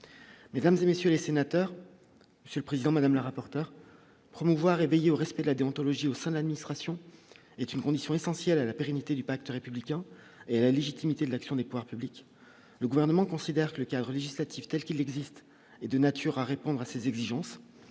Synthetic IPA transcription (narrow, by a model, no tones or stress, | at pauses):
med̪amzemesjølesenat̪œːʁ | məsjøləpχezid̪ɑ̃mad̪amləʁapɔʁt̪œʁ | pχɔmuvwaʁevejeoʁɛspɛd̪əlad̪eɔ̃t̪ɔlɔʒiosɛ̃d̪əlad̪minist̪χasjɔ̃ | ɛt̪ynkɔ̃d̪isjɔ̃esɑ̃sjɛlalapeʁenit̪ed̪ypak̚t̪əʁepyblikʲɛ̃ | ealaleʒit̪imit̪ed̪əlaksjɔ̃d̪epuvwaʁpyblik | ləɡuvɛʁnəmɑ̃kɔ̃sid̪ɛʁkələkʲad̪ʁəleʒislat̪ʰift̪ɛlkʲilɛɡzist̪ | ɛd̪ənat̪ʰyʁaʁepɔ̃d̪ʁasezɛɡziʒɑ̃s